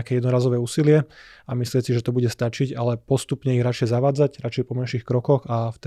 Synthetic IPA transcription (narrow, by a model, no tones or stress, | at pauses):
akɛːjɛd̪nɔɾaːzɔʋɛːuːsilɪɛamislɪɛsiʒɛt̪ɔbuɟɛst̪at͡ʃiɟalɛpɔst̪upɲɛiɣɾat͡ʃjɛzaʋaːd͡zaɟɾat͡ʃɛjpɔmɛnʃixkɾɔkɔɣaft̪ɛ